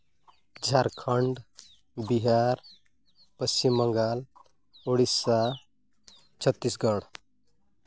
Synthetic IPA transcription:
d͡ʒʱaɾkʰʌɳɖ | biɦaɾ | pəst͡ʃimːəŋɡal | oɽisa | t͡ʃʰət̪ːisɡʌɽ

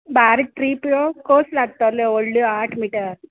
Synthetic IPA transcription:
baːɾiʈɾiːpjokoːslaɡ̚t̪aleoɭɖaːʈmiːʈɐɾ

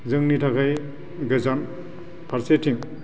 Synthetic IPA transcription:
zɯŋnitʰakʰaj | ɡɐzan | pʰaɾsetʰiŋ

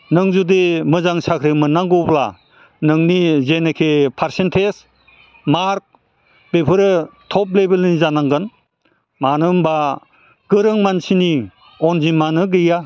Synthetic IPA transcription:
nɯŋzudemɯzaŋsakʰɾɯmɯnːaŋɡopla | nɯŋnizenekʰepʰaɾsentʰes | maɾk̚ | b̥epʰɯɾɯtʰɔplebelizanaŋɡɯn | manɯmba | ɡ̥ɯɾɯŋmansini | ɔnzimanɯɡɯja

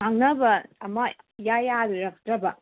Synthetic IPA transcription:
aŋnɐbɐɐmɐ | jajaɾɾɐk̚tɾɐbɐ

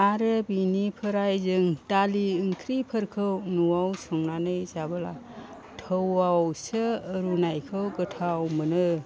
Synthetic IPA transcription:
aɾɯbinipʰəɾajzɯŋtaliɯŋkʰɾipʰəɾkʰɯwnuwawsɔŋnanɯjzabɯla̰ | tʰəwawsɯːɾunajkʰɯwɡɯtʰawmɯnɯ

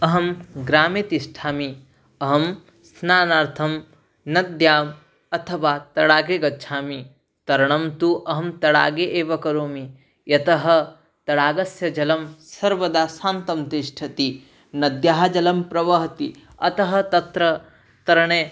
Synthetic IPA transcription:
ɐɦɐmɡɾaːmet̪iʃʈʰaːmi | ɐɦɐm | snaːnaːɾt̪ʰɐm | nɐd̪jaːm | ɐt̪ʰɐʋaːt̪ɐɽaːɡeːɡɐtːʃʰaːmi | t̪ɐɾɐɳ̃ɐmt̪uʔɐɦɐmt̪ɐɽa̰ːɡeːʔeːʋɐkɐɾoːmi | jɐt̪ɐɦɐ̆ | t̪ɐɽaːɡɐsjɐd͡ʒɐlɐmsɐɾʋɐd̪aːsaːnt̪ɐmt̪iʃʈʰɐt̪i | nɐd̪jaːɦɐd͡ʒɐlɐmpɾɐʋɐɦɐt̪i | ɐ̰t̪ɐɦɐ̆t̪ɐt̪ɾɐ | t̪ɐɾɐɳ̃eː

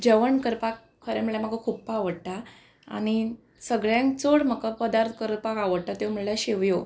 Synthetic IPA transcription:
d͡ʑəʋəɳkəɾpak̚ | kʰəɾɛməɭjam̤akəkʰuppaʋəɽt̪a | a̰ñi | səɡɭjãŋkt͡soɽməkapəd̪aɾt̪ʰkəɾəpakaʋəɽʈ̪at̪jom̤əɭɭjaɕeʋjo

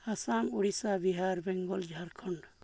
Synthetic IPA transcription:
asamuɽisabiɦaɾbɛŋɡɔld͡ʒʱaɾkʰɔɳɖ

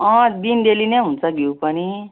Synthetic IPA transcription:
ʌ̃d̪ind̪elinʌɦunt͡sʰʌɡjewpʌni

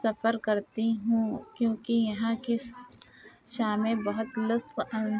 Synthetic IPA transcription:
sɐfəɾkɐɾt̪iɦũːkjõːkijɐɦãke | ʃaːmẽbɐɦʊt̪lʊt̪fɐ

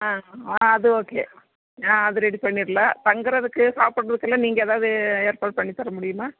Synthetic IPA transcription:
aːaːɐðɯoːkḛː | aːɐðɯɾɛɽipɐɳːiːɾɐlat̪ɐŋɡɯɾɐðɯkːɯsaːpːɐɽːɐðɯkːɛlːãːniːŋɡɐːðaːʋðɯeːɾpaːʈ̚pɐɳːit̪ːɐɾɐmʊɽɪjɯmaː

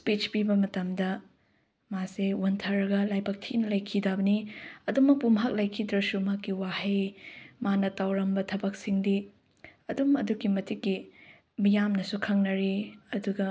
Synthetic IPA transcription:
spit͡ʃpibɐmɐtɐmdɐ | masewuntʰɐɾɐɡɐlajbak̚tʰinɐlɐjkʰidabɐniɐdumɐk̚pumɦak̚lɐjkʰidɾɐsumakiwahejmanɐtawɾɐmbɐtʰɐbɐk̚siŋdi | ɐdumɐduɡimɐtikːi | mijamnɐsukʰɐŋnɐɾiɐduɡɐ

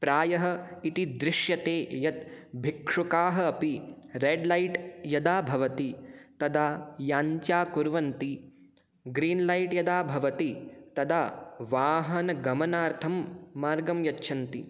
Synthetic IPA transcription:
pɾaːjɐɦɐ̆it̪id̪ɾɪʂjɐt̪eːjɐt̪bʱikʂukaːɦɐ̆ɐpiɾeːɖlɐjʈjɐd̪aːbʱɐʋɐt̪it̪ɐd̪aːjaːɲt͡ʃaːkuɾʋɐnt̪i | ɡɾiːnlɐjʈjɐd̪aːbʱɐʋɐt̪it̪ɐd̪aːʋaːɦɐnɐɡɐmɐnaːɾt̪ʰɐmːaːɾɡɐmjɐtːʃʰɐnt̪ḭ

